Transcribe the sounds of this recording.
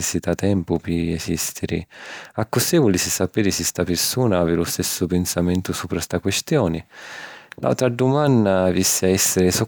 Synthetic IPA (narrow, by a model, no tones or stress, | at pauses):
sːit̪at̪ɛmpʊpɪɛsist̪ɪɾɪ̰akːʊsɛvʊlɪsɪsːapeːɾɪsɪst̪apɪɾsuːnaaːvɪlʊst̪ɛsːʊpɛnsamɛnt̪ʊsupːɾast̪akwɛst̪jɔːnɪ | lʔa̰wt̪ɾad̪umandavisːɪaɛsːɪɾɪsɔ